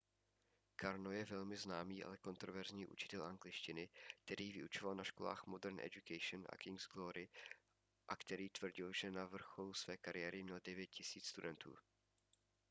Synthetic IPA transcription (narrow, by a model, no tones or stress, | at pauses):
kaɾnojɛvɛlmɪznaːmiːʔa̰lɛko̞nt̪ɾovɛɾzɲiːʔṵt͡ʃɪ̥t̪ɛlʔaŋɡlɪʃcɪnɪk̚t̪ɛɾiːvɪʔut͡ʃovalnaʃkola̰ːxmo̞dɛɾnʔɛ̰ɟukɛjʃnʔa̰kɪŋɡzɡloɾɪ | ʔakt̪ɛɾiːt̪vr̩ɟɪlʒɛnavr̩xo̞lusv̥ɛːkaɾɪjɛːɾɪmɲɛldɛvjɛt̪̚cɪsiːt͡sst̪udɛnt̪ṵː